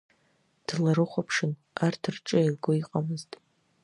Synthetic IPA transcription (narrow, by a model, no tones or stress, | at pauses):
d̥laɾɨχʷapʰʂɨn | artʰɨrʈ͡ʂʼailɡoiqʼamɨztʼ